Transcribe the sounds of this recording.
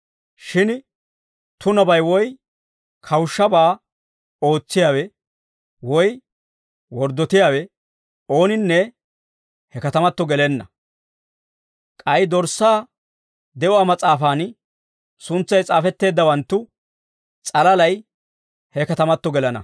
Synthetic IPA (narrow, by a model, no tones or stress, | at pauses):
ʃɪn | t̪ʊnɐbɐjwɔj | kʰɐwʃːɐbaː | o̞ːt͡sːɪjaːwɛ | wɔj | wɔɾd̪ːɔt̪ɪjaːwɛ | o̞ːnɪnːɛ | hɛkɐt̪ɐmɐt̪ːɔɡɛlɛnːɐ̰ | kʼɐjd̪ɔɾsaː | d̪ɛʔɔaːmɐt͡sʼaːfaːn | sʊnt͡sːɐjt͡sʼaːfɛt̪ːe̞ːd̪ːɐwɐnt̪ːʊ | t͡sʼɐlɐlɐj | hɛkɐt̪ɐmɐt̪ːɔɡɛlɐnɐ̰